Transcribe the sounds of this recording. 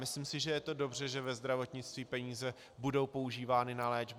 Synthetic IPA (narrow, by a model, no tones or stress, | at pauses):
mɪslimsɪʒɛjɛt̪o̞do̞br̝ɛʒɛvɛzd̪ɾavo̞t̪ɲɪt͡st̪viːpɛɲiːzɛ | budo̞wpo̞uʒiːvaːnɪnalɛːd͡ʒb